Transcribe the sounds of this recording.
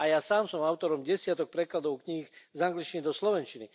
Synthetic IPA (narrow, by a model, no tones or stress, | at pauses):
ajasaːmsɔmaʊt̪ɔɾɔmɟɛsɪat̪ɔk̚pɾɛklad̪ɔʊkɲixzaŋɡlit͡ʃinid̪ɔslɔʋɛnt͡ʃini